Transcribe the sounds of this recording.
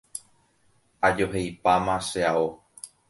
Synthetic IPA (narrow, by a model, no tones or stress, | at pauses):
ad͡ʒo̞ɦejpamãʃeao